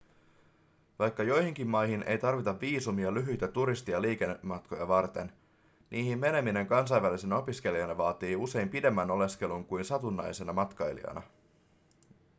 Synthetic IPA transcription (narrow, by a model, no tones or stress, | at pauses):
ʋɑjkːɑjo̞jhiŋk̟imːɑjɦinʔe̞̰jt̪ɑrʋit̪ɑʋːiːsumiɑlyɦyjt̪æt̪uɾist̪iɑliːk̟e̞nːemɑt̪ko̞jɑ̰ʋɑrt̪e̞n | nʔiːhimːe̞ne̞mine̞ŋkɑns̬ɑjʋælisenɑo̞pisk̟e̞liɑnɑʋɑːt̪iːuse̞jmpide̞mːæno̞le̞ske̞luŋkujnsɑt̪unːɑ̰jse̞nɑmɑt̪kɑjlḭɑ̰nɑ̰